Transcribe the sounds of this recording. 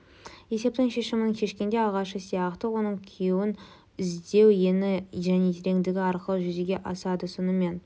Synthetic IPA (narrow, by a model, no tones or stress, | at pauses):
je̞se̞p̚t̪ɪŋʃe̞ʃɪmɪŋkʲʰe̞ʃkʲe̞nd̪e̞ɑʁɑʃəsijɑqt̪əwo̞nəɴkʲʰewɪn | ɪzd̪e̞wje̞nɪʒæne̞t̪ʰeɾe̞ŋd̪ɪɡʲɪɑɾqəlˠəʒʏzeɡʲe̞ʔɑsɑd̪əsʊnəme̞n